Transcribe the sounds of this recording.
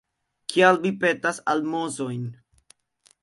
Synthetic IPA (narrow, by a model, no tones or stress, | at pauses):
kʰialvipe̞tasalmo̞zo̞jn